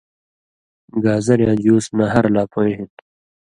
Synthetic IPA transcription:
ɡaːzɐɾjãːd͡ʑuːsnaɦɐɾlaːpʰoeɦit̪

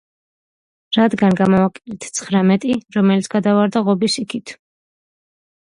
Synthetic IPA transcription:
ɾad̪ɡanɡamɔvakʼɛlɛt̪ʰt̪sʰχɾamɛt̪ʼiɾɔmɛlit̪sʰɡ̥ad̪avaɾd̪aʁɔbisikʰit̪ʰ

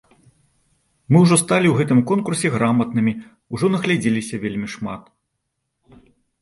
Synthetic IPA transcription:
mɨwʐɔst̪alʲiwɣɛt̪ɨmkɔnkursʲɛɣɾamɐt̪nɨmʲi | uʐɔnɐɣlʲad͡zʲelʲisʲɐvʲelʲmʲiʂma̰t̪

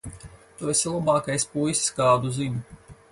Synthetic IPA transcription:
t̪uesilˠabɑːkajspujsskɑːd̪uzimʲu

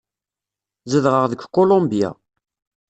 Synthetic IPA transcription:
zəðʁəʁðəɡʷkːolõmbja̰

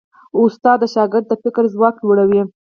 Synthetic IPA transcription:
ʊst̪ɑd̪ːəʃɑɡɪɾd̪ːəfɪkɾzwɑk̚d͡ʒoɽawi

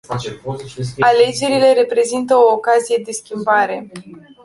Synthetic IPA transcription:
ale̞d͡ʒe̞ɾile̞ɾe̞pɾe̞zint̪əoːkazije̞d̪e̞skʲimbaɾe̞

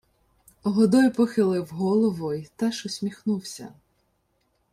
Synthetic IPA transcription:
ɦɔd̪ɔjpɔxɪlˠɪwɦɔlˠɔʋɔjt̪ɛʃʊsʲmʲixnuwsʲɐ̰

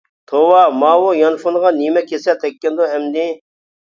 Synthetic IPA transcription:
t̪ʰowɑmɑːwojɑnfunʁɑnimɛkʰʲesɛt̪ʰɛkʲːɛnd̪uɦɛmd̪i

